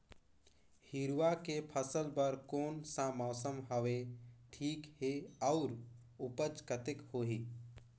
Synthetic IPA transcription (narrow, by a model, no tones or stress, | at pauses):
hiɾwakepʰəsəlpəɾkoːnsamaːsəmɦəʋeʈʰiːkheɔʊɾ | ʊpət͡ʃkət̪ɪkhoːɦiː